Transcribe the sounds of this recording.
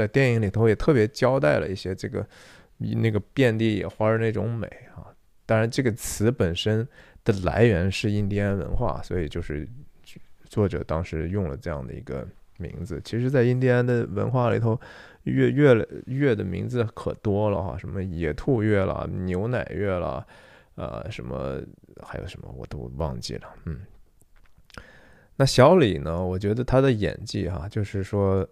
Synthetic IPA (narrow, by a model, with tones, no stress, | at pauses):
a˥˧ɪt̪jɛ˥˩ni˧˥ŋli˨˩t̪ʰo˧˥ʊjɛ˨˩t̪ʰɤ˥˩pjt͡ɕjɑ˥ʊt̪a˥˩ɪlə̰˧i˥˩ɕjɛ˥ʈ͡ʂɤ˥˩ɡə̰˩˧ | na˥˩ɡə˩pjɛ˥˧nt̪i˥˩jɛ̰˨˩xwa˥˧ne˥˩ʈ͡ʂʊ˧˥ŋme˨˩˦ɪɐ̰˧ | t̪ɑ˥ŋɻa˧˥nʈ͡ʂɤ˥˩ɡə˩t͡sʰɹ̩˧˥pə˨˩nʂə˥nd̪̥ə˨la̰˧˥ɪɥɛ˧˥nʂɻ̩˥˧i˥nt̪ʰjɛ˥ə˥nwə̰˧˥nxwa̰˥˩swɔ˧˥i˨˩t͡ɕjo˥˧ʊʂɻ̩˥˧˥ | t͡swɔ˥˩ʈ͡ʂɤ̰˨˩t̪ɑ˥ŋʂɻ̩˧˥jʊ˥˩ŋlə̰˩ʈ͡ʂɤ˥˧jɑ̰˥˩ŋd̪ə̰˩ḭ˧˥ɡə̰˧ | mḭ˧˥ŋd͡zɹ̩˧t͡ɕʰi˧˥ʂɻ̩˧˥t͡sa˥˧ɪi˥˧nt̪ʰjɛ˥a˥nd̪ə˨wə̰˧˥nxwa˥˩lḭ˨˩t̪ʰo˧˥ʊ | ɥɛ˥˧ɥɛ˥˩˧ɥɛ˥˩d̪ə˩mi˧˥ŋd͡zɹ̩˧kʰɤ˨˩t̪wɔ˥lə˨xa̰˩ʂə˧˥nmə˧jɛ˧˥t̪ʰu˥˧ɥɛ˥˩lə̰˩njo˧˥ʊna˨˩ɪɥɛ˥˩lə̰˩ | ə̰˧ʂə̰˧˥nmə̰˧xa˧˥ɪjo̰˨˩ʂə˧˥nmə̰˧wɔ˨˩t̪o̰˧˥ʊwɑ̰˥˧ŋt͡ɕḭ˥˩lə˩n̩˥˩ | na˥˩ɕjɑ˧˥ʊli˨˩nə˦wɔ˨˩t͡ɕɥɛ˧˥d̪ə˧t̪ʰa˥d̪ə˨jɛ̰˨˩nt͡ɕi˥˩xa̰˧t͡ɕjo˥˧ʊʂɻ̩˥˩ʂwɔ˥